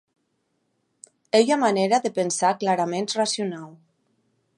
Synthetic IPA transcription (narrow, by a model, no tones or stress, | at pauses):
ejamaneɾaðəpənsaklaɾamenrasjunal